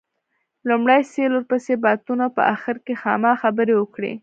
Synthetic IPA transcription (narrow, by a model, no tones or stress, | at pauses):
lumɽajseloɾpəsebɑt̪unapə̰ʔaxɪɾkexɑmɑxabəɾewəkɽḛ